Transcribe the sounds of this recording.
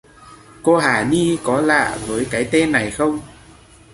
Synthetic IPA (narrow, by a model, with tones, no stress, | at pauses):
ko˧ɦaː˧˩ni˧kɔ˨˦la̰ː˧˨vəː˨˦jkaː˨˦jt̪e˧nːa˨˩jxə˧wŋ͡m